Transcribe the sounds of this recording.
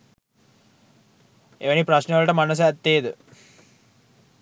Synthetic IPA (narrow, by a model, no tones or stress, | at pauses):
eʋənipɾaɕneʋələʈəmanos̬əæt̪ːeːd̪ə